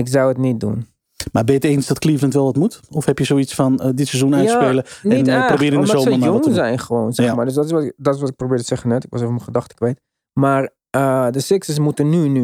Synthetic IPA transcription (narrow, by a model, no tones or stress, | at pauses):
ɪksawətnit̚dṵn | mabɪjəteːnsdɔtklivləntʋɛlˠʋɔtmutɔfhɛpjəsoisfɑndɪtsɛzunatspeːləɛnprobɪːɾɪ̃ndəzoːnjoŋzɛjnχəʋoːnsɛxmaːrdøs̬dɔtɪsʋɔdɔtɪsʋɔtɪk̚probɪːtəsɛχənɛtɪkʋɔ̰sevəməχədɑχtə̥kʋejt | mar | ədəsɪksəs̬mutənːyny